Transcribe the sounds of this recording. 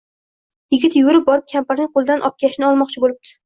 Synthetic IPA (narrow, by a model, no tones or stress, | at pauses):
jɪɡʲɪt̪jʊʊɾɪp̚bɒɾɪp̚kʲʰampaɾnɪŋqolˠɪd̪anʔɒp̚kʲʰaɪʃnɪɒlˠmɒqt͡ʃʰɪbolɪb̚t̪ʰɪ̥